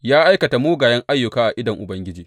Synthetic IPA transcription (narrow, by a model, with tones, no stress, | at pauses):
jaː˦ʔa˦jkɐ˨ta˨moː˦ɡaː˨jɐ˦ŋʔa˦jːʊ˨kaː˦ʔa˨ʔɪ˦dɐ˨ŋʔʊ˨bɐ˦ŋɡʲɪ˦d͡ʒiː˨